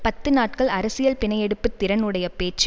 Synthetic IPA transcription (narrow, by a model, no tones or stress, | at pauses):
pɐt̪ːɯnaːʈ̚kɐɭɐɾɐsɪjɐlpɪnɐjɛɽɯpːɯt̪ːɪɾɐnɯɽɐjɐpeːt͡ʃː